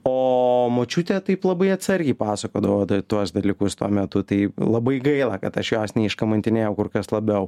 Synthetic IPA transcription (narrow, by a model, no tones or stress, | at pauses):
oːmoːt͡ʃʲuːt̪ʲeːt̪ɐɪplˠɐbɐɪɐt̪sɐrʲɡʲɛɪpɑːsɐkoːd̪ɐʋoːd̪ɐt̪uɔsd̪ɐlʲikʊst̪uɔmʲɛt̪ʊt̪ɐɪlˠɐbɐɪɡɐɪlˠɐkɐt̪ɐʃjoːsnʲɛɪʃkɐmɐnʲt̪ʲɪnʲeːjɛʊkʊɾkɐslˠɐbʲɛʊ